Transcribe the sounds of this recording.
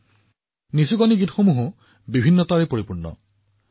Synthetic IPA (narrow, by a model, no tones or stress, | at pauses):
nisukɔniɡitxomuɦʊ | bibʱinːɔtaɹipoɹipuɹnːɔ̰